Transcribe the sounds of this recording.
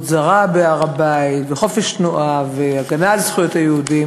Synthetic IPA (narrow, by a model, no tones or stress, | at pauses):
zaʁabeaʁabaitveχo̞feʃtnuʔaveaɡanalzχujotajeudim